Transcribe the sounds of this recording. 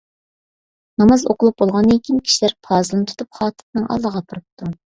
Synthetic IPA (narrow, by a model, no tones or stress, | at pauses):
nɑmɑzo̰qʊlˠup̚bolˠʁɑnekʲinkʲʰi̥ʃilæɾpʰɑːzɨlˠɨnɨt̪ʰu̥t̪ʰup̚χɑːt̪ʰɨ̥t̪nɨŋʔɑ̰lˠːəʁɑpʰɨɾɨp̚t̪ʰu